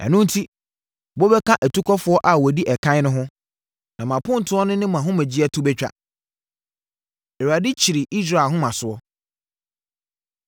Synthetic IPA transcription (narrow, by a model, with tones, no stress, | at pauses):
ɛ̰˨nʊ̃˦n̩˦tʰi˦ | bɔ˦bɛ˦kʰã˦ʔæ˨tʰu˦kʰɔ˦fʊ˨˦ɔ˦ʔa˨wɔ˨di˦ʔɛ˨kʰã˦ɪ˦nʊ̃˦ɦʊ̃˦ | nã˨mã˨pʰʊ̃˦n̩˨tʰʊ̃˦ɔ˦nʊ̃˦nɪ̃˦mã˨ɦʊ̃˦mɛ̃˨d͡ʑi˦ɛ˦tʰʊ˦bɛ˦t͡ɕᶣa̰˦ | ɛ˨wa˨dɪ˦t͡ɕʰi˨ɾi˨ʔi˦s̬ɾa˦˨ɦʊ̃˦mã˨sʊ˨ɔ˦